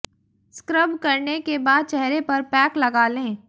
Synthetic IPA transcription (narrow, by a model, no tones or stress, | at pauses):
skɾəbkɐɾnekebaːd̪̚t͡ʃɛɦɾepɐɾpɛːklɐɡaːlẽː